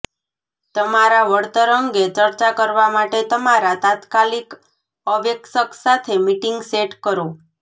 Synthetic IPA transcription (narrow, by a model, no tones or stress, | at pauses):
t̪əmaɾaʋəɽt̪əɾəŋɡet͡ʃəɾt͡ʃakəɾʋamaʈet̪əmaɾat̪at̪kalik | əʋeksəksat̪ʰemiʈiŋɡseʈkəɾo